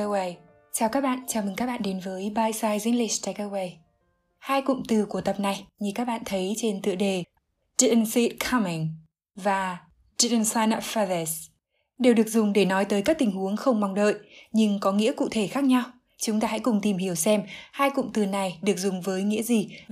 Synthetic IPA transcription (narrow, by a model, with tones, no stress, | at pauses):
we˧j | t͡ɕaː˨˩wkaː˦˥k̚ɓa̰ː˧˨nt͡ɕaː˨˧˩mɨ˨˩ŋkaː˦˥k̚ɓa̰ː˧˨ɗe˨˦nvəː˨˦jɓaː˧jsaː˧jzḭ˧˥ŋli˨˧˩t̪a˧˦kə˧we˧j | haː˧jkʊ̰˧˨ŋ͡mt̪ɨ˨˩ku˧˩ət̪ə˨˩p̚na˨˩jɲi˧˩kaː˦˥k̚ɓa̰ː˧˨nt̪ʰə˨˦jt͡ɕe˧nt̪ɨ̰˧˨əɗe˨˩ | zi˧˩˧nsi˧˦˥t̚kʰa˧mi˨˩ŋ | vaː˨˩ | zi˧˩˧nsa˧jna˧˩fa˧ðɛ˧˩s | ɗe˨˩wɗɨ˨˩ək̚zʊ˨˩ŋ͡mɗe˧˩nɔ˨˦jt̪əː˨˦jkaː˦˥k̚t̪ï˨˩ŋ̟hu˨˦əŋxə˧wŋ͡mma˨˩wŋ͡mɗə̰ː˧˨jʔɲɨ˧ŋkɔ˨˦ŋḭ˧˥əkṵ˧˨t̪ʰe˧˩xaː˦˥k̚ɲa˧w | t͡ɕʊ˨˦ŋ͡mt̪aː˧ha̰˧˥jkʊ˨˩ŋ͡mt̪i˨˩mhi˧˩əwsɛ˧mhaː˧jkʊ̰˧˨ŋ͡mt̪ɨ˨˩na˨˩jɗɨ˨˩ək̚zʊ˨˩ŋ͡mvəː˨˦jŋḭ˧˥əzi˨˩